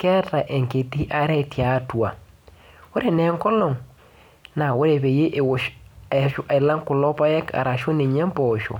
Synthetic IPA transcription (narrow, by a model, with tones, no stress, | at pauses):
kɛ˦ta˨ʔe˨ŋke˨ti˦ʔa˦ɾɛ˦tja˨˦twa˨ | wo˦ɾe˨nɛ˨˦ŋkɔ˦lɔ˨ŋ | na˨wo˦ɾe˨be˨je˦ʔwʃu˦ʔa˨i˨la˦ŋkʊ˨lɔ˦pa˦jɛ˦ka̰˨ɾa˨ʃo˦ne˨ɲɛ˦m˦pɔ˨ʃo̰˨